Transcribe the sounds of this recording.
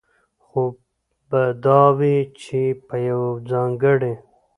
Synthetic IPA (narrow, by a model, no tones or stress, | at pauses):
xo | bad̪ɑwit͡ʃepəjawd͡zɑːŋɡəɽe